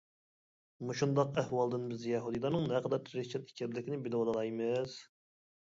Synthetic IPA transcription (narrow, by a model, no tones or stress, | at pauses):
muʃund̪ɑqæhwɑlˠd̪ɨnbɪzjɛɦud̪ɨjlˠɑɾnɨŋnɛqəd̪ɑɾʰɾɪt͡ʃʰɛt̪i̥kʲʰɪɾlɪkʲʰnɪbɪlwɑd̪əlˠɑjmɨz̥